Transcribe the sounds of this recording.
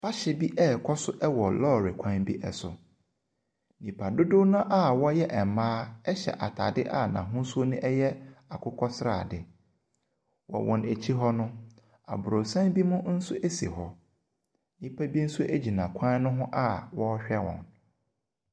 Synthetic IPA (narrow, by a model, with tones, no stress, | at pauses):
pʰa˦ɕɪ˨bi˦ʔɛ˦˨kʰɔ˦sʊ˦ʔɛ˦wɔ˨lɔː˦˨ɾe˨kʷʰã˦nbi˦ʔɛ˨sʊ̰˨ | nĩ˨pʰa˨dʊ˦dʊ˦nã˦ʔa˦˨wɔ˦jɛ˦ʔɛ˨m˨mãː˦ɛ˦ɕɛ̰˨ʔa˨tʰa˨dɪ˦ʔa˦˨nã̰˨ɦʊ̃˦su˦o˦nʊ̃˦ʔɛ˦jɛ˦a˨kʰʊ˦kʰɔ˦sɾa̰ː˨dɪ˨ | wɔ̰˨wʔɔ̃˨ne˨t͡ɕʰi˦ɦɔ˦nʊ̃˦ | a̰˨bʊ˨ɾo˨sã˦nbi˦mʊ̃˦n̩˦sʊ˦ʔe˦sḛ˨ɦɔ˨ | nĩ˦pʰa˦bi˦n̩˦sʊ˦ʔe˦d͡ʑi˨nã˨kʷʰã˦nʊ̃˦ɦʊ̃˦ʔa˦wɔ˦ɕᶣɛ˦wɔ̰̃˨n